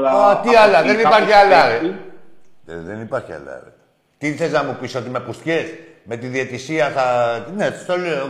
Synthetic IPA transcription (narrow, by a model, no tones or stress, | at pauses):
ɐt̪iɐlɐðenipɐɾçiɐlɐɾe | ðenipɐɾçia̰lɐ̰ɾḛ | t̪iθe̞znɐmupiso̞t̪ime̞pust̪çes | me̞t̪iðiet̪isiɐθɐnest̪ole